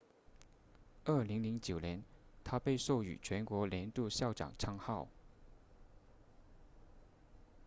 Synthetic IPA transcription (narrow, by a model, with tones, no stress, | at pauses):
ə˥˩li˧˥ŋli˧˥ŋt͡ɕjo˨˩ʊnjɛ˧˥nt̪ʰa˥pe˥˧ɪʂo˥˩ʊy̰˨˩t͡ɕʰɥɛ˧˥nkwɔ˧˥ljɛ˧˥nt̪u˥˧ɕjɑ˥˩ʊʈ͡ʂɑ̰˨˩ŋʈ͡ʂʰɑ˥ŋxɑ˥˩ʊ